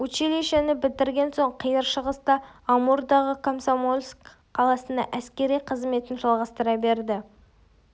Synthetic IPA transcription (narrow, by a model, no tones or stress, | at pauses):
wɵt͡ʃeleʃenɪbɪld̪ɪɾɡʲe̞nso̞ɴqʰəjəɾʃəʁəst̪ɑːmuɾd̪ɑʁəkʰomsomolʲˠsk | qʰːɑlˠɑsənd̪ɑ̰ʔæskʲe̞ɾijqʰəzme̞t̪ɪnʒɑlˠʁɑst̪əɾɑbe̞ɾd̪ɪ